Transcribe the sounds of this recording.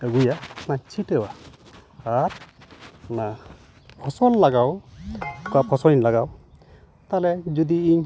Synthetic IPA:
əɡujanat͡ʃʰiʈəwaː | ɾ | na | pʰɔsɔlːaɡaw | kuapʰɔsɔɲlaɡaw | t̪alɛd͡ʒud̪iiɲ

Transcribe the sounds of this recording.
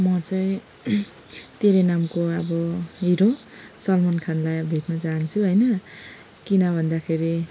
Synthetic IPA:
mʌt͡sʌj̃ | t̪eɾʌnamkoʌbʌɦiɾo | sʌlmʌnkʰanlajʌbʱeʈnʌt͡sant͡sʰuɦʌjnʌ | kinʌbʱʌnd̪akʰeɾi

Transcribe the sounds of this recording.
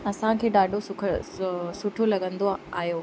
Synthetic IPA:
ɐsãkʰeːɗaːɖʱosʊkʰsʊʈʰolɐɠə̃nd̪oaːɦjoː

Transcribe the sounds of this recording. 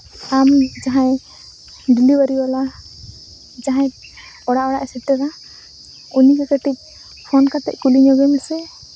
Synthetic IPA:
amd͡ʒaɦãj | ɖiliwaɾiwala | d͡ʒaɦãj | ɔɽaʔɔɽaʔɛsɛʈɛɾa | unikɛkəʈic̚ˀ | pʰɔnkat̪ɛ̰c̚kuliɲɔɡɛmɛsɛ

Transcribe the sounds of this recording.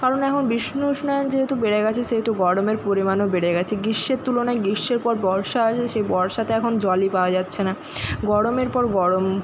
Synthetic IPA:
kaɾonɛkʰonbiʃnoʃnɔjond͡ʑeɦet̪ubeɽeɡɛt͡ɕʰeʃeɦet̪uɡɔɽomeɾpoɾimanobeɽeɡɛt͡ɕʰeɡiʃːeɾt̪ulonaeɡiʃːeɾpɔɾbɔɾʃaat͡ɕʰeʃejbɔɾʃat̪eɛkʰond͡ʑɔlipaoad͡ʑatːɕʰena | ɡɔɽomeɾpɔɾɡɔɽom

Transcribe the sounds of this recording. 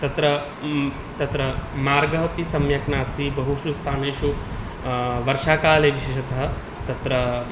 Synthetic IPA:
t̪ɐt̪ɾɐ | t̪ɐt̪ɾɐmaːɾɡɐɦɐpisɐmjɐknaːst̪ibɐɦuʃust̪ʰaːneːʃu | ʋɐɾʃaːkaːleːʋiʃeːʃɐt̪ɐɦɐ̆ | t̪ɐt̪ɾɐ

